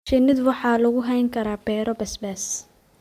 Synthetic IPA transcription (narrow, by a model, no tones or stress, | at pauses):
ʃɪnɪd̪wɑħɑːlɐɣʊɦɛjŋkʰɐɾaːbɛːɾɔbɛsbɛs